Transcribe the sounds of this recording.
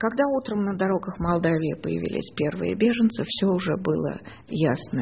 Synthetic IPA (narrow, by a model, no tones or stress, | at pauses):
kɐɡd̪aut̪ɾəmnəd̪ɐɾo̞ɡəxmɐlˠd̪avʲɪɪpəjɪ̰vʲḭlʲɪ̰sʲpʲe̞rvɨ̰jə̰bʲe̞ʐɨnt̪sɨfsʲoʊʐɛbɨlˠə̰ | jasnə